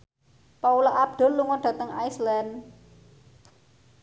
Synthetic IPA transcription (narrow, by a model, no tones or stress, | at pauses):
paulaʔab̚d̪̥ə̤lːuŋɔnɖ̥ä̤t̪əŋa̰jslan